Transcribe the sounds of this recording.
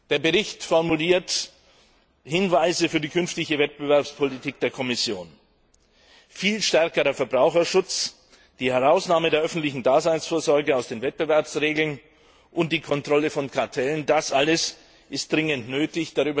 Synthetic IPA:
d̥eːɐbəʁɪçtfɔʁmuliːɐt | hɪnvaɪzəfyːɐdiːkʰʏnftɪçəvɛt̚b̥əvɛɐpspʰɔlitʰiːk̚d̥eːɐkʰɔmɪsjoːn | fiːlʃtɛɐkəʁəfɛɐbʁaʊxɐʃʊt͡s | d̥iːhɛʁaʊsnaːmədeːɐʔœfn̩tlɪçn̩daːzaɪnsfoːɐzɔɐɡəaʊsd̥eːnvɛt̚b̥əvɛɐpsʁeːɡl̩n | ʔʊnt̚d̥iːkʰɔntʁ̥ɔləfɔnkʰaɐtʰɛləndasʔaləs | ʔɪstd̥ʁɪŋəntnøːtɪçd̥aʁyːbɐ

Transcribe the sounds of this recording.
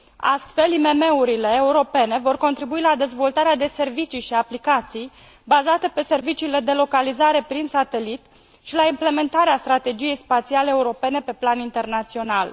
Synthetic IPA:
a̰st̪fe̞lime̞me̞uɾileːuɾo̞pe̞ne̞vo̞rko̞nt̪ɾibuilad̪e̞zvo̞lt̪aɾead̪e̞se̞rvit͡ʃiʃiaplikat̪sij | bazat̪e̞pe̞se̞rvit͡ʃiːle̞d̪e̞lo̞kalizaɾe̞pɾinsat̪e̞lit̪ | ʃilaimple̞me̞nt̪aɾeast̪ɾat̪e̞d͡ʒije̞jspat̪sialeeːuɾo̞pe̞ne̞pe̞planint̪e̞rnat̪sio̞nal

